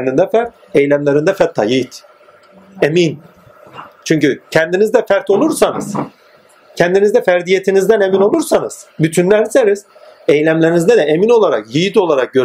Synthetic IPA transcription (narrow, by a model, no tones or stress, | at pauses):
nd̪ind̪ɛfæɾt̪̚ | ejlʲæmlʲe̞ɾind̪ɛfɛt̪ʰːa̰jit̪ | emin | t͡ʃʰyɲcycʰɛnd̪inizd̪ɛfæɾt̪ʰo̞lˠuɾsanɯ̰z̥ | cʰɛnd̪inizd̪ɛfæɾd̪ije̞t̪ʰinizd̪æne̞mino̞lˠuɾsanɯz̥byt̪ʰynlʲæɾseɾiz̥ | ejlʲæmlʲeɾinizd̪ɛd̪ɛʔemino̞lˠaɾa̰kjijit̪o̞lˠaɾak̚ɟø̞ɾ